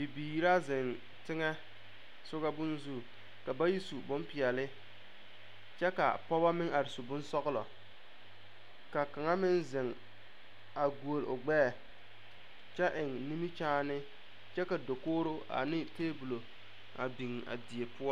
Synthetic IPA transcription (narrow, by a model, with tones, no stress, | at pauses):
bi˨biː˨ɾa˦zɪ˨n | tɪ˦ŋɛ˦ | sʊ˦ɣa˦bʊ˦n˦zu˦˨ | ka˨ba˦ji˦su˨bʊ˦mpɪ˨ɛ˨lɪ˦ | t͡ʃɛ˦ka̰˨pɔ˦ba˦mɪ˦ŋa˨ɾɪ˨su˨bʊ˦n˦sɔ˦ɣlɔ̰˨ | ka˨ka˨ŋa˦mɪ˦nzɪ˨ŋ | a˨ɡu˨o˨lʊ˨ɡ͡bɛː˦˨ | t͡ʃɛ˦ʔɪ˨ŋni˦mi˦t͡ʃaː˦nɪ˦ | t͡ʃɛ˦ka˨do˨koː˦ɾo˦ʔa̰˨nɪ˦teː˦bu˨lo˨ | a̰˨bi˨ŋa̰˨di˨e˨pʊ˦ɔ˦